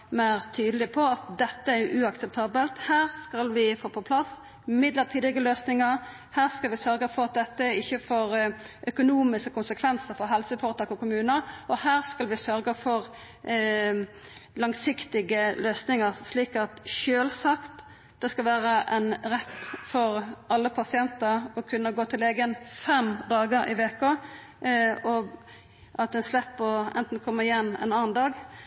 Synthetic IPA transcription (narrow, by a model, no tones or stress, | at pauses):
mæɪɾt̪ʰyːd̪əlɪpʰɔɑt̪d̪ɛt̪ːəæɾjʊʔʉɑksɛp̚t̪ʰɑːbəlt̪hæːʁskɑlʋɪfoːpʰɔpʰlɑs | mɪd̪ləɾt̪ʰiːd̪ɪɡəløːsnɪŋəɾ | hæːʁskɑlʋɪsœɾɡəfɔɾɑt̪̚d̪ɛt̪ːəɪçːəfɔɾ | ʔœkʊnuːmɪskəkʰʊnsəkʰʋɛnsəɾfɔɾɦɛlsəfoːɾət̪ɑːkɔkʊmʉːnəɔhæːʁskɑlʋɪsœɾɡəfɔɾ | lɑŋsɪkt̪ɪɡəløːsnɪŋəʁsliːkɑt̪ʃøːlsɑkt̪ | d̪̥ɛskɑlʋæːɾəʔɛnɾɛt̪ːfɔɾʔɑlːəpʰɑsɪɛnt̪əɾɔkʰʉnːəɡoːt̪ʰɪleːɡənfɛmd̪ɑːɡəɾɪ̰ʋeːko | ɔ | ʔɑt̪d̪ɛnslɛpːəɛ̰nt̪n̩kʰɔmːəʁɪjɛnːɛ̰nɑːnd̪ɑːɡ